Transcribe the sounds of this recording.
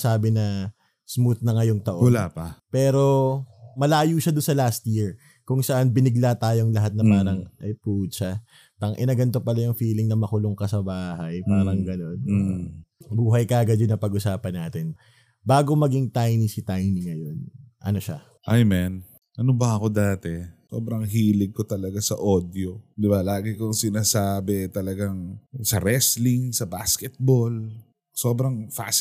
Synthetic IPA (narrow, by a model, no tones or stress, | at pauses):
saːbɪnɐ | smuθnɐŋɐjoŋt̪ɐʔoɐlaːpɐpɛːɾo̞mɐlaːjuːʃad̪ʊnsɐlast̪jiɹ | kʊŋsɐʔanbɪnɪɡlat̪aːjo̞ŋlɐɦat̪̚nɐpaːɾɐŋʔɐjpuʔd̪t͡ʃa | t̪ɐŋʔɪ̰nɐɡɐnt̪o̞pɐlajʊŋfiːlɪŋnɐmɐkʊloŋkɐsɐbaːhɐjpaːɾɐŋɡɐno̞n | buːɦɐjkaːɡɐd̪jʊnɐpɐɡʔʊsaːpɐnːaːt̪ɪn | baːɡomɐɡiŋt̪ajnisɪt̪ajniŋɐjo̞nʔɐ̰no̞ʃa̰ | ʔajmɛn | ʔɐnobɐʔɐko̞d̪aːt̪ɛso̰ːbɾɐŋɦiːlɪɡ̚kot̪ɐlɐɡasɐʔoːd̪jod̪ɪbalaːɡɪkʊŋsɪnaːsaːbɛt̪ɐlɐɡaŋsɐɾɛslɪŋsɐba̰skɛt̪̚bol | soːbɾɐŋfa̰s